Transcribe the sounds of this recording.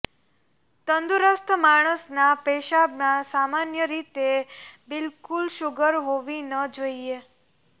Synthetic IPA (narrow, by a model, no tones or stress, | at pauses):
t̪ənd̪uɾəst̪ʰmaɽ̃əsnapeʃabnãsamanjəɾit̪ebɪlkulʃʊɡəɾɦoʋinəd͡ʒoie